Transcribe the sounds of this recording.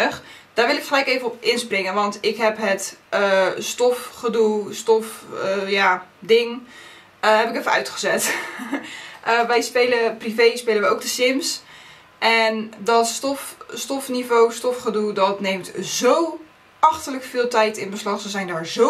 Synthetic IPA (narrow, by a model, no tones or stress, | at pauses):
d̥aːɹʋɪlˠɪkχəlɛjkejvənɔpɪnsprɪŋənʋɑntɪkɦɛpɦətəstɔfχədulˠstɔfjadɪŋ | əɦɛpɪkefənœ̰ɥtχəzɛt | ʔəʋɛjspejləprivejspeːləʋəjowk̚dəsɪms | ʔɛndɔtstɔfstɔfnivowstɔfχədulˠdɔtnejmtzow | ɑχtələkfɪːlˠtɛjtɪnbəslɑχsəzɛjndaːɹzo